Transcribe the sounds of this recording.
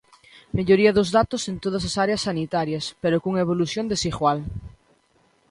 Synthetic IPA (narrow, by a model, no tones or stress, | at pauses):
meʎoɾiɐðozðat̪osent̪oð̞asasaɾeɐsːanit̪aɾjɐspeɾokuŋeβoluθjond̪esiɣwal